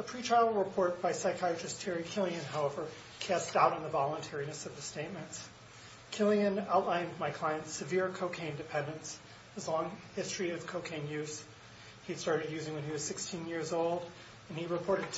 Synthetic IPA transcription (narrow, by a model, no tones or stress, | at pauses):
əpʰɹ̥itʰɹ̥aɪl̩ˠɹəpʰɔɹt̚b̥aɪsaɪkʰaɪt͡ʃɨstʰɛɹikʰɪlˠiɨ̃nɦaʊɛvə˞ | kʰæstaʊɾn̩ðəvɑlˠə̃ntʰɛɹinɨsʌvðɨsteɪt̚mɨ̃nts | kʰɪlˠiɨ̃naʊtˡlãɪ̃nmaɪkʰl̥aɪɨ̃ntsɨvɪɹkʰoʊkʰẽɪ̃ndɨpʰɛ̃ndɨ̃ns | ɨzlɔ̃ŋhɪstɹ̥iʌv̥kʰoʊkʰẽɪ̃njʉz̥ | hidstɑɹɾɨdjʉzɪ̃ŋwɨ̃niwʌz̥sɪkstʰĩnjɪɹzoʊlˠd | ɨ̃niɹɨpʰɔɹɾɨd̚ʰ